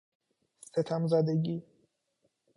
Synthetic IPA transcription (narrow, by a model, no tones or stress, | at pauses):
set̪ʰamzæd̪eɡi